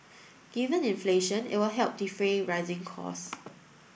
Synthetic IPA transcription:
ɡ̥ivə̃nĩnfleʃə̃nɪ̰t̚wɪlɦɛlp̚difɹeɹaɪzɪ̃ŋkʰɔ̰s

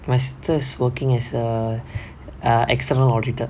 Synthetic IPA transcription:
mastʰəɪswəkɪ̃ŋɛsə | ʔɛ̰kstənəlɔːditə

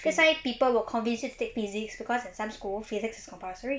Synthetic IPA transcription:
dɛswaɪpipəlˠwəkʰɔ̃nvɪ̃nsjutu̥tek̚fizɪksb̥ikʰɔzɪ̃nsab̥skulˠfizɪksɪ̥skʰɔ̃mpastəɹi

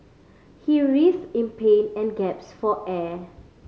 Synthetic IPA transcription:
hiɹisĩnpʰẽnɛ̃nɡɛpsfɔʔɛ

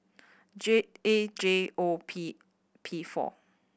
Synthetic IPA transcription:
d͡ʒeed͡ʒeopʰi | pʰifɔ̰

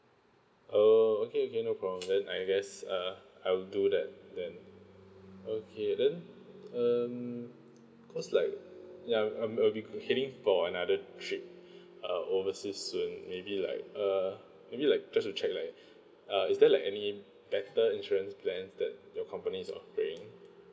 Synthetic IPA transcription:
ʔookeokʰenopʰɹɔbə̃mdɛ̃naɪɡɛsʌaɪwldudɛt̚dɛ̃n | okʰedɛ̃nʌm | kɔslaɪk̚jaalbiheɾɪ̃ŋfɔənadətʰɹip̚ | ʌʔovəsissũnmebila̰ɪk̚ʌ | mebilaɪk̚d͡ʒastut͡ʃʰɛk̚laɪk̚ | ʔʌisdɛlaɪkɛni | b̥ɛtəĩnʃɔɹə̃nspʰlɛ̃nsdɛt̚jɔkʰɔ̃mpənisɔ̰peɪ̃ŋ

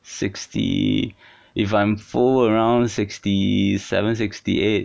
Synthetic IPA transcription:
sɪkstʰḭ | ʔɪfãɪ̃ɱfɔləɹãʊ̃ndsɪkstisɛ̰və̃nsɪkstḭet̚

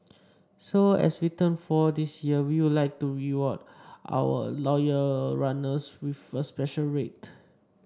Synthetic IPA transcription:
soɛ̰switə̃nfɔdisjiəwiwudlaɪk̚tuɹiwɔtʔa̰wə̰lɔjəɹanəswifəspɛʃəlɹet

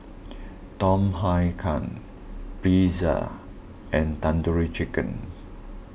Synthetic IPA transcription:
tɔ̃mɦajkʰã̰n | pizə̰ | ɛ̃ntãnduɹit͡ʃikə̰̃n

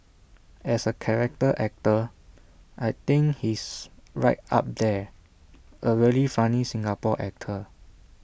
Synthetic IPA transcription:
ɛsəkʰɛɹɛk̚təʔɛk̚tə | ʔajt̪ĩŋhisɹaɪt̚a̰p̚d̪ɛ | ʔəɹilifãnisĩŋɡapɔ̰ʔɛ̰k̚tʰə

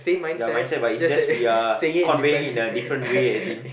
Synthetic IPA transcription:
sẽmãnjamãj̃nsɛt̚batid͡ʒaswiakʰɔ̃nvẽŋĩnədifɾə̃ntweɛzĩn

